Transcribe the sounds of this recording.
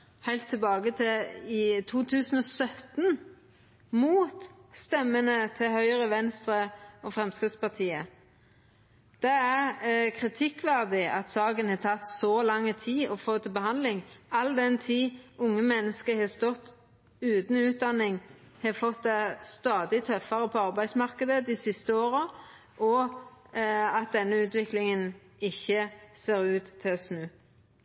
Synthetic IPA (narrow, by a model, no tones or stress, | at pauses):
hæɪlt̪ʰːɪlbɑːɡət̪ʰɪɪt̪ʰuːt̪ʰʉːsn̩ɔsœt̪n | muːt̪st̪ɛmːənət̪ʰɪhœʏəʁəʋɛnst̪ʁəɔfʁɛmskɾɪt̪spɑt̪ʰiːə | d̪̥ɛæʁkʰʁɪt̪ʰɪkːʋæʁd̪ɪɑt̪sɑːɡənhɑːt̪ʰɑt̪ːsɔlɑŋːət̪ʰiːɔfoːt̪ʰɪlbəhɑnd̪lɪŋɑld̪ɛnt̪ʰiːʔʊŋːəmɛnːəskəhɑːst̪ɔt̪ː | ʉːt̪n̩ʉːt̪̚d̪ɑnːɪŋ | hɑːfɔt̪̚d̪ɛst̪ɑːd̪ɪt̪ʰœfɑɾəpʰɔɑʁbæɪsmɑʁkəd̪əd̪ɪsɪst̪əoːɾə | ʔɔ | ɑt̪̚d̪ɛnːəʉːt̪ʋɪklɪŋən | ɪçːəseːɾʉːt̪ʰːɪlsnʉː